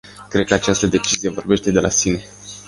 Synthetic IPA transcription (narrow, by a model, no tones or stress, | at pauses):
kɾe̞d̪̚kəat͡ʃast̪əd̪e̞t͡ʃizijevo̞rbe̞ʃt̪e̞d̪e̞lʔasine̞